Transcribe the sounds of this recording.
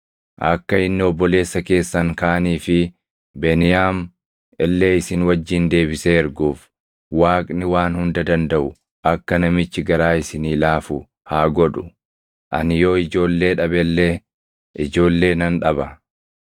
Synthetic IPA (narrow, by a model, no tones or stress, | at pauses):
ʔɐkːɐɪnːɪɔbːɔle̞ːsːɐke̞ːsːɐŋkaːniːfɪ | beːnɪjaːm | ɛlːe̞ːɪsɪnwɐd͡ʒːɪnd̪e̞ːbɪseːɛɾɡuːf | waːkʼnɪwaːnhʊnd̪ɐd̪ɐnd̪ɐʔʊ | ʔɐkːɐnɐmɪt͡ʃːɪɡɐɾaːɪsɪniːlaːfʊ | haːɡɔᶑʊ̥ | ʔɐ̰nɪjo̞ːɪd͡ʒo̞ːlːe̞ːᶑɐbɛlːeː | ɪd͡ʒo̞ːlːe̞ːnɐnᶑɐbɐ